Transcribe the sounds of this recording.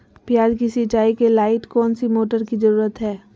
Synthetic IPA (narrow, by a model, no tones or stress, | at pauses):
pɪjaːd͡ʒkisit͡ʃaːikelaːɪʈkɔːnsimoːʈəɾkizəɾuːɾət̪ɦɛː